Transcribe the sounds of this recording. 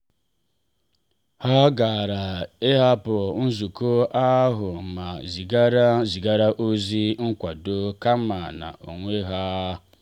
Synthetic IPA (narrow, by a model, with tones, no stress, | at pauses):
ha˦ɡa˨ɾa˨e˦ɦa˦pɔ˨n̩˦zu˨ko˦ʔa˦ɦʊ˨ma˨zi˨ɡɾzi˨ɡa˦ɾa˦ʔo˦zi˦ŋ̩˦kʷa˨do˦ka˦ma˨na̰˨ʔo̰˨ŋʷe˦ɦa˦